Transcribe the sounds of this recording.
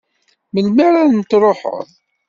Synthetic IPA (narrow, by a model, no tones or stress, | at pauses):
məlmaɾaɾnt̪ɾˤoħə̰ðˤ